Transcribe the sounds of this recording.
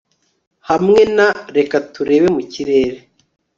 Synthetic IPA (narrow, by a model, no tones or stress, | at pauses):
hamŋe̞naɾe̞katuɾe̞ːβemuciɾe̞ːɾe